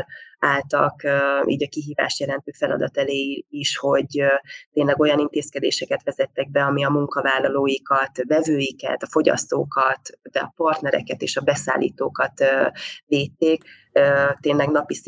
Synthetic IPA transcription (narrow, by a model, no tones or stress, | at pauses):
aːlt̪ɒ̰kːḭːɟɒkiɦiːva̰ːʃjɛlɛnt̪øːfɛlɒ̰d̪ɒt̪ɛleːiʃho̞ɟt̪eːnlɛɡo̞jɒnint̪eːskɛd̪ḛːʃɛkɛt̪ʋɛzɛt̪ːɛɡ̚bɛɒmiɒmuŋkɒvaːlːɒloːjikɒt̪vɛvøːjikɛ̰t̪ɒfo̞ɟɒ̰st̪oːkɒt̪d̪ɛɒ̰pɒrt̪nɛɾɛ̰kɛt̪ḛːʃɒbɛsa̰ːlːʔḭːt̪oːkɒt̪ːveːt̪ːeːk | øt̪eːnlɛɡnɒpis